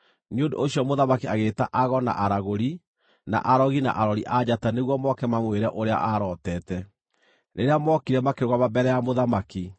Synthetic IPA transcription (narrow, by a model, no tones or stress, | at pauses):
neondo̰oɕjɔmoðamakiaɣeːtaʔaɣɔna̰ʔaɾaɣoɾi | na̰ʔaɾɔɣina̰ʔaɾɔɾiʔad͡ʑataneɣwɔmɔkɛmamweɾɛʔoɾea̰ʔaɾɔtɛːtɛ | neɾeamɔkiɾɛmakeɾɣwamabɛɾɛjamoðamaki